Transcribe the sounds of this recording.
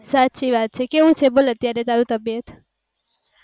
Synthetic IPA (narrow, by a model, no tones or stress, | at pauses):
sat̪t͡ʃʰiʋat̪̚t͡ʃʰekeʋũt͡ʃʰebolət̪jaɾet̪aɾũt̪əbjət̪